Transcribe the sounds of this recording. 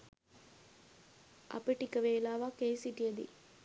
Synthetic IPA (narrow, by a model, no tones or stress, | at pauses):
ʔɐ̰pəʈikəʋeːlaːʋakejsiʈijəd̪ḭ